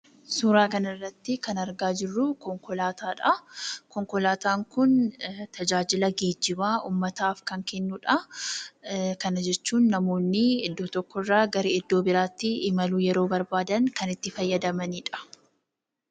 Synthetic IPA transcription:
suːɾaːkɐnɐrːɐt̪ːɪkɐnɐɾɡaːd͡ʒɪrːʊkɔŋkɔlaːt̪aːᶑɐkɔŋkɔlaːt̪aːŋkʊnt̪ɐd͡ʒaːd͡ʒɪlɐɡeːd͡ʒːɪbaːʔuːmːɐt̪aːfkɐŋkɛnːʊᶑɐ | kɐnɐd͡ʒɛt͡ʃːuːnːɐmo̞ːnːɪɪd̪ːoːt̪ɔkːɔrːaːɡɐɾiɪd̪ːo̞ːbɪɾaːt̪ːɪːmɐluːjɛɾo̞ːbɐɾbaːd̪ɐŋkɐnɪt̪ːɪfɐjːɐd̪ɐmɐniːᶑɐ̥

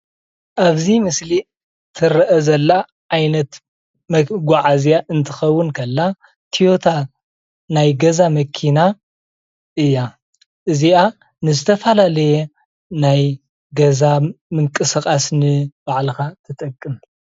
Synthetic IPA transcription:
ʔaβzimɨsli | t̪ʰɨɾɐʔɐzɐlːa | ʔajnɐt̪ | mɐɡʷaʕazjaʔɨnt̪ʰɨxɐwːʊnkʰɐlːa | t̪ʰijo̞t̪ʰa | najɡɐzamɐkʰina | ʔɨjːa | ʔɨziʔa | nɨzɨt̪ʰɐfɐlalɐjɛ | naj | ɡɐzamɨŋkʼɨsɨkʼasnɨbaʕlɨxat̪ʰɨt̪ʼɐkʼːɨm

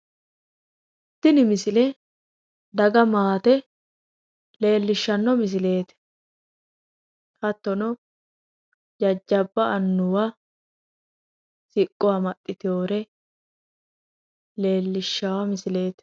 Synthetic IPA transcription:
ɪt̪ːɪnɪmɪsɪlɛ | d̪ɐɡɐmaːt̪ɛ | le̞ːlːɪʃːɐnːɔmɪs̬ɪle̞ːt̪ɛ̥ | hɐt̪ːɔnɔ | d͡ʒɐd͡ʒːɐbːɐʔɐnːʊwa | sɪkʼːʊwamɐt̪ʼːɪt̪ɪjo̞ːɾɛ | le̞ːlːɪʃːɐwɐmɪsɪle̞ːt̪

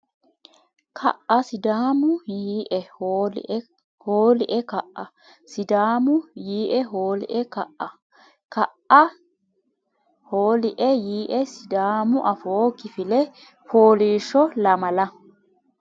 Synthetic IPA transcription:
kʰɐ̰ʔɐsɪd̪aːmʊjiːʔɛ̰ | hoːlɪʔɛkɐʔʔɐ | sɪd̪aːmʊjiːʔɛɦoːlɪ̰ʔɛkɐʔɐ | kɐʔɐ | hoːlɪʔɛjiːʔɛsɪd̪aːmʊʔɐfoːkɪfɪlɛ | foːliːʃːɔlɐmɐlɐ

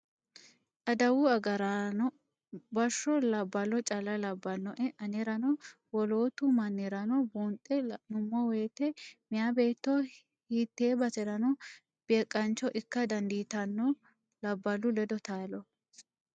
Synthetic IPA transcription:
ʔɐd̪ɐwʊɐɡɐɾɐnɔ | bɐʃːɔlɐbːɐlɔt͡ʃʼɐlɐlɐbːɐnːɔʔɛʔɐnɛɾɐnɔ | wɔlo̞ːt̪ʊmɐnːɛɾɐnɔbuːnt̪ʼːɛnʊmːɔweːt̪ɛmɪjaːbe̞ːt̪ːɔ | hiːt̪ːeːbɐsɛɾɐnɔ | b̥eːkʼːɐnt͡ʃːɔʔɪkːɐd̪ɐnd̪iːt̪ɐnːɔ | lɐbːɐlʊlɛd̪ɔt̪aːlɔ

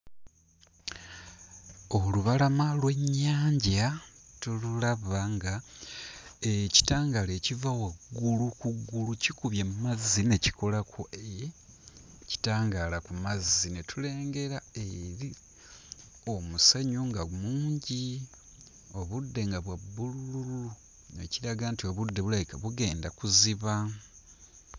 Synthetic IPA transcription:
o̞luβalamalwe̞ɲːaːɲɟatululaβaŋɡa | eci̥taːŋɡalecivawaɡulukuɡːulucikuβjamumazːineci̥ko̞lakʰoe | ci̥taːŋɡalakumazinetule̞ːŋɡe̞ɾae̞ɾi | o̞museɲuŋɡamuːɲɟi | o̞βudːe̞ŋɡaβwabːulululu | ne̞̰ciɾaɡantio̞βudːe̞βulaikaβuɡe̞ːndakuziβa

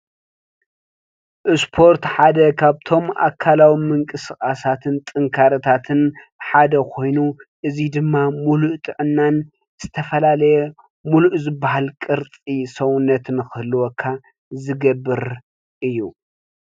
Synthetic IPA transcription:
ʔɨspʰo̞ɾt̪ħad̪ɐkʰaβt̪ʰo̞ma̰kʰːalawimɨŋkʼɨskʼasat̪ʰɨnt̪ʼɨŋkʰaɾɐt̪ʰat̪ʰɨn | ħad̪ɐkʰo̞jnuʔɨzid̪ɨmːamuluʔt̪ʼɨʕɨnːan | z̥ɨt̪ʰɐfɐlalɐjɛ | muluʔzɨbːaɦalkʼɨɾt͡s̪ʼisɐwʊnːɐt̪ʰɨnxɨhlːuwɔkʰːa | zɨɡɐbːɨɾ | ʔɨjːu

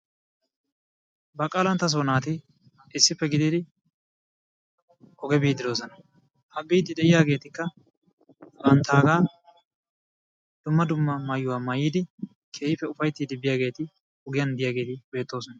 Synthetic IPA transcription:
bɐkʼaːlɐnt̪ːɐs̬oːnaːt̪ɪ | ɪsːɪpːɛɡɪd̪ɪd̪ɪ | ɔɡɛbiːd̪ɪd̪o̞ːsɔnɐ | ʔɐbiːd̪ɪd̪ɛʔɪjaːɡe̞ːt̪ɪkːɐ | ɐnt̪aːɡaː | d̪̥ʊmːɐd̪ʊmːɐmaːjːʊwaːmɐjiːd̪ɪ | kʰeːjɪfɛʊfɐjt̪ːiːd̪ɪbɪjaːɡe̞ːt̪ɪ | ʊɡɪjɐnd̪ɪjaːɡe̞ːt̪ɪbe̞ːt̪ːo̞ːsɔnɐ

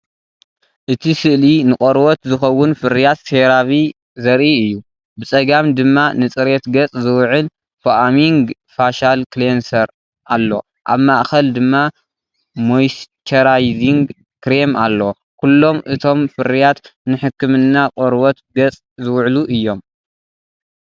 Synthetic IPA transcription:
ʔɨt̪ʰisɨʔlinɨkʼoɾwɔt̪zɨxɐwːʊnfɨɾijat̪seɾaβi | zɐɾʔiɨjːu | bɨt͡sʼɐɡamd̪ɨmːanɨt͡sʼɨɾet̪ɡɐt͡sʼzɨwʕɨl | foʔamiŋɡ | faʃalklensɐɾ | ʔalːo̞̰ | ʔa̰βmaʔxɐld̪ɨmːa | mojst͡ʃʰɐɾajziŋɡ | kɾemalːo | kʰulːo̞mʔɨt̪ʰo̞mfɨɾijat̪nɨħɨkːɨmɨnːaqʼoɾwɔt̪ɡɐt͡sʼ | zɨwʕluʔɨjːo̞m

